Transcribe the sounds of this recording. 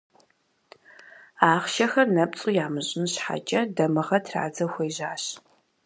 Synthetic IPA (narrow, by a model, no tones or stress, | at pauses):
aːχʃɐxɐrnɐpt͡sʼujaːmɨʑʼɪnɕħa̰t͡ʃʼɐdɐmɨʁɐtʰra̰ːd͡zɐxʷejʑaːɕ